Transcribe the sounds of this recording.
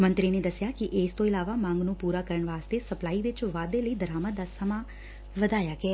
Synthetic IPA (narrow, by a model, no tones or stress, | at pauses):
mə̃nt̪ɾined̪ɐsjaːkiʔeːst̪õːɪlaːʋamãːŋɡnũːpuːɾaːkəɾəɳʋaːst̪esɐplaːiʋɪt͡ʃʋaːd̪eləiːd̪əɾaːməd̪aːsəmaː | ʋəd̪aːjaːɡɛː